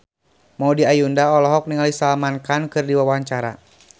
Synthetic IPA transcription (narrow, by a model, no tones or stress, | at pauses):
maudiajundaɔlɔɦɔk̚niŋalisalmankankɨrdiwawaaɲt͡ʃaɾa̰